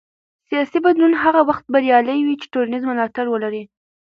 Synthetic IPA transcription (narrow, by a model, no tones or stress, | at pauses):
sijɑsibad̪lunɦaɣawaxt̪̚baɾjɑləjwit͡ʃe̥ʈuɾanizmʊlɑt̪aɾwəlaɾi